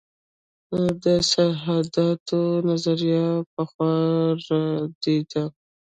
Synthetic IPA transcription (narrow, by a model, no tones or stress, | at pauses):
d̪əsaɦad̪ɑt̪ʰonazaɾijɑpəxwɑɾad̪ed̪a